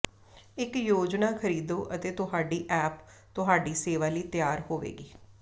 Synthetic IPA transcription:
ɪkjoːd͡ʒnaːkʰəɾiːd̪oːʔət̪eːt̪ʊɦaːɖiːʔɛːpt̪ʊɦaːɖiːseːʋaːliːt̪jaːɾhoːʋḛːɡiː

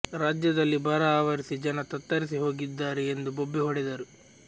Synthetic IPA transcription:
ɾaːd͡ʒjɐd̪ɐlːibɐɾɐaːʋɐɾisid͡ʒɐnɐt̪ɐt̪ːɐɾisiɦo̞ːɡid̪ːaːɾɛend̪ubobːiɦɔɽɛd̪ɐɾu

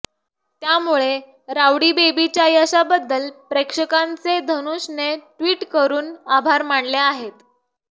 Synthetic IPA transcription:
t̪jamuɭe | ɾaʋɽibebit͡ɕjajəɕabəd̪ːəlpɾekʂəkant͡sed̪ʱənuɕneʈʋiːʈkəɾuːnabʱaɾmaɳleaɦet̪

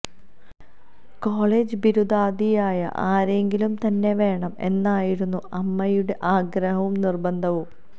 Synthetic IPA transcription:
koːɭeːd͡ʑɨbiɾud̪aːd̪ijaːjɐ̰ʔaːɾe̞ŋɡilumt̪ɐnːe̞ʋe̞ːɳɐme̞̰nːaːjiɾunːuɐmːɐjuɽe̞ʔaːɡɾɐɦɐʋumnirbɐnd̪ʱɐʋum

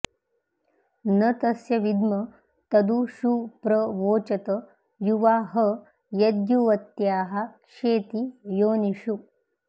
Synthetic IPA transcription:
nɐt̪ɐsjɐʋid̪mɐ | t̪ɐd̪uʃupɾɐʋoːt͡ʃɐt̪ɐ | juʋaːɦɐ | jɐd̪juʋɐt̪jaːɦɐ̆kʂeːt̪ijoːniʃu

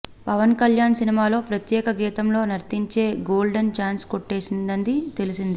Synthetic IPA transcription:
pɐʋɐnkɐljaːnsinimaːlo̞ːpɾɐt̪jɛːkɐɡɛːt̪ɐmlo̞ːnɐɾt̪iɲt͡ʃe̞ːɡoːlɖɐnt͡ʃaːnskoʈːe̞ːsind̪ɐnd̪it̪e̞lisind̪i

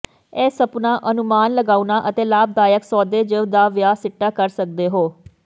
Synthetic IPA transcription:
ɛːsəpnaːʔənʊmaːnləɡaːunaːʔət̪eːlaːb̚d̪aːjəksɔːd̪eːd͡ʒeʋd̪aːʋjaːsɪʈːaːkəɾsək̚d̪eːɦoː

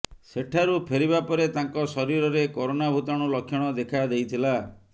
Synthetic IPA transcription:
seʈʰaɾupʰeɾibapɔɾet̪aŋkɔsɔɾiɾɔɾekɔɾonabʱut̪ɔɽ̃ɔlɔkʰːjɔɽ̃ɔd̪ekʰad̪ejt̪ʰila

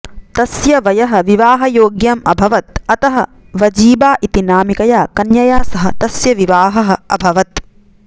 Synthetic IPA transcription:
t̪ɐsjɐʋɐjɐɦɐ̆ʋiʋaːɦɐjoːɡjamɐbʱɐʋɐt̪̚ɐt̪ɐɦɐ | ʋɐd͡ʒiːbaːʔit̪inaːmikɐjaːkɐnjɐjaːsɐɦɐ̆t̪ɐsjɐʋiʋaːɦɐɦɐ̆ɐ̰bʱɐʋɐt̪

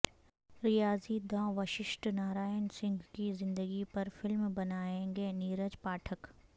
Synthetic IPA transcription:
ɾɪjaːzid̪ãːʋɐʃɪʃʈnaːɾaːjənsɪ̃ŋɡʱkizɪ̃nd̪əɡipɐɾfɪlmbɐnaːẽːŋɡeːniːɾəd͡ʒpaːʈʰək

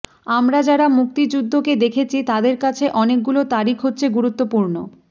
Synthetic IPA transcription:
amɾad͡ʑaɾamuk̚t̪id͡ʑud̪ʱːoked̪ekʰet͡ɕʰit̪ad̪eɾkat͡ɕʰeʔɔnek̚ɡulot̪aɾikʰɦotːɕʰeɡuɾut̪ːopuɾno

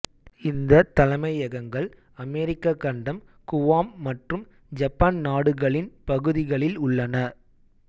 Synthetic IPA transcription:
ɪnd̪ɐt̪ɐlɐmɐɪɐɣɐŋɡɐɭ | ɐmɛːɾɪkːɐkːɐɳɖɐm | kʊʋaːmːɐʈrɯm | d͡ʒɐpːaːnnaːɽɯɣɐɭɪnpɐɣɯðɪɣɐɭɪlʊɭːɐnɐ

